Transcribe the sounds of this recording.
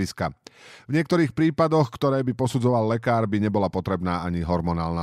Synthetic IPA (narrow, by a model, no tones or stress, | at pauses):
iskavɲɪɛkt̪ɔɾiːxpɾiːpad̪ɔxkt̪ɔɾɛːbipɔsud͡zɔʋallɛkaːɾbiɲɛbɔlapɔt̪ɾɛbnaːaɲiɦɔɾmɔnaːlna